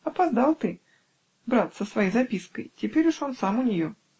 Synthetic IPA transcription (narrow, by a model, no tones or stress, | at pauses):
ɐpɐzd̪alˠt̪ɨ | bɾat̪səsvɐjejzɐpʲiskəjtʲɪpʲeɾʲʊʂo̞nsamʊnʲɪjo